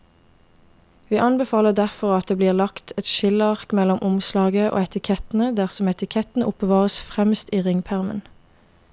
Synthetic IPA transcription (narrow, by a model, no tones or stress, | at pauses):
ʋiːʔɑnbəfɑːləʁd̪æʁfɔʁɑt̪̚d̪eːbliːʁlɑkt̪ʰɛt̪ʃɪləɑʁkmɛlɔmʔʊmslɑːɡəʔo̰ːɛt̪ɪkʰɛt̪n̩əd̪æʁsɔmɛt̪ɪkʰɛt̪n̩ʔʊpəʋɑːʁəsfʁɛmst̪iːʁɪŋpʰæʁmə̰n